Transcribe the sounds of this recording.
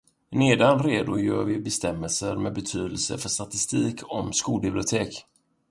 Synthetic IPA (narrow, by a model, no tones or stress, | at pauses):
neːd̪anɾeːd̪ʊjœːɾvɪbɛst̪ɛmːəlsəɾmɛd̪bɛt̪ʰyːd̪əlsə̰fœʂt̪at̪ɪst̪iːkʰɔmskuːlbɪblɪʊt̪ʰeːk